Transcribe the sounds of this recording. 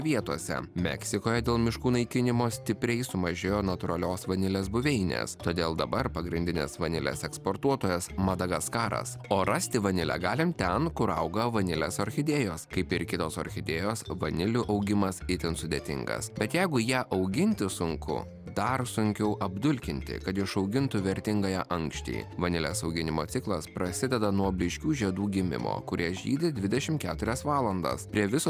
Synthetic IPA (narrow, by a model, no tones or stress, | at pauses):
ʋʲiɛt̪uɔsʲɛ̰mʲɛ̰ksʲɪkoːjɛd̪ʲeːlˠmʲɪʃkuːnɐɪkʲɪnʲɪmoːsʲt̪ʲɪpʲɾʲɛɪsʊmɐʒʲeːjoːnɐt̪ʊɾɐlʲoːsʋɐnʲɪlʲeːsbʊʋʲɛɪnʲḛst̪oːd̪ʲeːlˠd̪ɐbɐɾpɐɡɾʲɪnʲd̪ʲɪnʲḛːsʋɐnʲɪlʲḛːsɛkspoːɾt̪uɔt̪oːjɛsmɐd̪ɐɡɐskɑːɾɐ̰soːɾɐsʲt̪ʲɪʋɐnʲɪlʲæ̰ːɡɑːlʲɪmt̪ʲɛnkʊɾɐʊɡɐʋɐnʲɪlʲḛːsoɾʲxʲɪd̪ʲeːjoːskɐɪpɪɾkʲɪt̪oːsɔ̰ɾʲxʲɪd̪ʲeːjoːsʋɐnʲɪlʲʊʔɐʊɡʲɪmɐsɪt̪ʲɪnsʊd̪ʲet̪ʲɪ̰ŋɡɐ̰sbʲɛt̪jɛɪɡʊjæːʔɐʊɡʲɪnʲt̪ʲɪsʊŋkʊ̰ | d̪ɐrsʊŋʲkʲɛʊʔɐbd̪ʊlʲkʲɪnʲt̪ʲɪ̰kɐt̪ɪʃɒʊɡʲɪnt̪ʊʋʲɛɾʲt̪ʲɪŋɡɐjɛʔɐŋkʃʲt͡ʃ̪ʲɛ̰ɪʋɐnʲɪlʲɛ̰sɒʊɡʲɪnʲɪmoːt̪sʲɪklˠɐspɾɐsʲɪd̪ʲɛd̪ɐnuɔbʲlʲɪʃʲkʲuːʒʲiɛd̪uːɡʲɪmʲɪ̰mo̰ːkʊɾʲiɛʒʲḭːd̪ʲɪd̪ʲʋʲɪd̪ʲɛʃʲɪmkʲæːt̪ʊɾʲɛsʋɑːlˠɐnd̪ɐ̰spʲɾʲiɛʋʲɪso